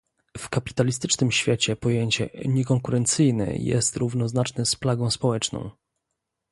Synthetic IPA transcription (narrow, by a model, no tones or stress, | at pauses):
fkapʲi̥t̪alʲist̪ɘt͡ʂnɘmɕfʲjet͡ɕɛpɔjeɲt͡ɕɛ̰ɲɛkɔŋkuɾɛnt̪sɘjnɛ̰jɛ̰st̪ɾuvn̪ɔznat͡ʂnɛsplaɡɔ̃w̃spɔwɛt͡ʂnɔ̰̃w̃